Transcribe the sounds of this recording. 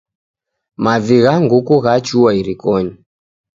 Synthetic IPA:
maviɣaŋɡukuɣat͡ʃuaiɾikɔɲi

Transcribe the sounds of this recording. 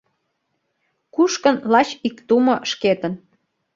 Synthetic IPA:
kuʃkə̆nlɑt͡ɕikt̪umŏʃket̪ən

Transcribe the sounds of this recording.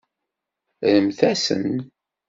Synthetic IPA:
ɾəmθæsə̰n

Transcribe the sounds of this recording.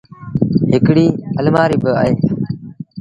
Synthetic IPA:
ɦɪkɽiːəlmaːɾiːbɪa̰ːɦeː

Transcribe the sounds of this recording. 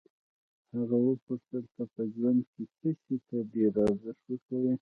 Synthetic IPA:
haɣawəpʊʂt̪əlt̪apəʒwand̪̚kekəʃit̪adeɾɑzɪʂwəkawe

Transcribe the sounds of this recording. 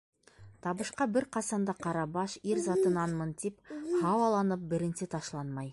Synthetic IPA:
t̪ʰɑbəʃqɑbɪɾqʰɑsɑnd̪ɑqʰɑɾɑbɑʃeɾzɑt̪ənɑnmənt̪ephɑwɑlˠɑnəp̚bɪɾɪnset̪ʰɑʃlˠɑnmɑj

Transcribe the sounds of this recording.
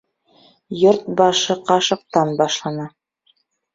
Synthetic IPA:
joɾt̪̚bɑʃɤqɑʃɤ̆q̚t̪ɑnbɑʃlˠɑnɑ

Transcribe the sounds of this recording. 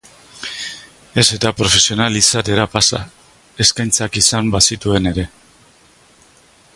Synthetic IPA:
e̞se̞t̪apɾo̞fe̞sio̞nalisat̪e̞ɾapasa̰ | e̞skajnt͡sakisambasit̪ue̞ne̞ɾe̞

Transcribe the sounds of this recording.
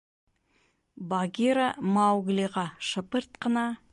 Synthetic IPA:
baɡʲiɾamawɡliʁɑʃəpəɾt̪qənɑ

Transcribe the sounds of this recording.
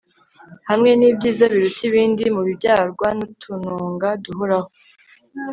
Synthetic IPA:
hamŋe̞niːbɟiːzaβiɾutʰiβiːndimuβibɟaːɾɡwanutʰunuːŋɡaduɦoɾaho

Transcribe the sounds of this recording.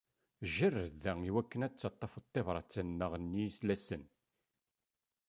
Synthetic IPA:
ʒərːəðæiwækːənæt͡sːɑt̪ˤːɑfət̪ˤːevɾˤɑt͡sːənːəʁənːislæsən

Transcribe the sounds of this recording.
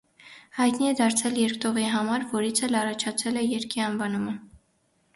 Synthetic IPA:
hɑjt̪niɛd̪ɑɾt͡sʰɛljɛɾkt̪ɔʁiɦɑmɑɾvɔɾit͡sʰɛlɑrɑt͡ʃʰɑt͡sʰɛlɛjɛɾkiɑnvɑnumə

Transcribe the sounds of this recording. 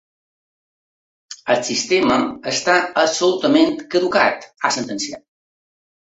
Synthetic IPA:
ət̪sist̪eməəst̪aəsulut̪əment̪kəðuka̰t̪asənt̪ənsiat̪

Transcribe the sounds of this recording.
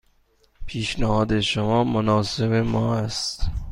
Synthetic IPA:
pʰiːʃnæhɒːd̪e̞ʃomɒːmonɒːse̞bemɒːæst̪

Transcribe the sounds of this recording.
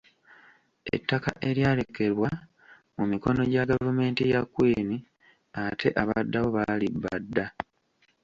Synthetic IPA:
e̞̰tːakaʔe̞ɾjaːle̞kːe̞ɾwa | mumiko̞no̞ɟaɡavume̞ːntijakːweːni | atʰe̞ʔaβadːaβo̞βalibːadːa

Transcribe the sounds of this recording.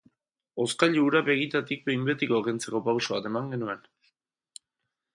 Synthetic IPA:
o̞skaʎuuɾaβe̞ɣ̞it̪at̪ik̚be̞jmbe̞t̪iko̞kent͡se̞ko̞pawsoβat̪e̞maŋɡe̞nue̞n

